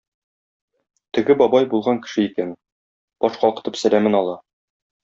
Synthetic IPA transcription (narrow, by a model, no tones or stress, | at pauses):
t̪ɘ̆ɡɘbɒbɑjbulˠʁɑŋkɘ̥̆ʃɘikæn | b̥ɒʃqɒlˠqɤ̥̆t̪ɤpsælæmɘnɒlˠɑ